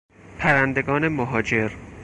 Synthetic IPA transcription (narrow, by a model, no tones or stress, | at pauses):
pʰæɾænd̪e̞ɡɒːne̞moɦɒːd͡ʒe̞ɾ